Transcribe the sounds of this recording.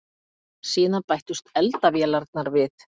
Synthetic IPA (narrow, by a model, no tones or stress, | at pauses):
siːnapajht̪ʏst̪ɛlt̪avjɛːlaɾt̪̚naɾvɪθ